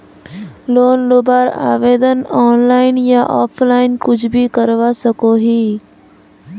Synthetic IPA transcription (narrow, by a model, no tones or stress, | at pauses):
loːnlobaːɾa̰ːʋeːd̪ənɔːnlaːɪnjaʔɔːpʰlaːɪnkʊd͡ʒʰbʱikəɾʋaːsɐkoːɦiː